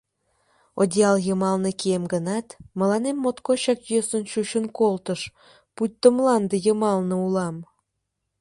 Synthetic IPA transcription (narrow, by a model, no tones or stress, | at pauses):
odʲiɑljəmɑlnekiemɡənɑt̪mə̆lɑnemːot̪koɕɑkjøsənɕuɕənkolt̪əʃ | put̚ʲt̪ːəmlɑnd̪əjəmɑlnə̆ulɑm